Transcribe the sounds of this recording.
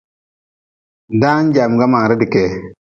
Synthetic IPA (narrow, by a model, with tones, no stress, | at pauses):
da˦n˦d͡ʒa˨m˨ɡa˦ma˨ŋ˨ɾɛ˦di˨ke˨